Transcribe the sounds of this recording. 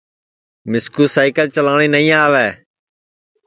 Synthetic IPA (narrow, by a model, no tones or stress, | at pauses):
mɪskuːsaːɪkəlt͡ʃəlaːɽ̃iːnəĩːaːʋɛː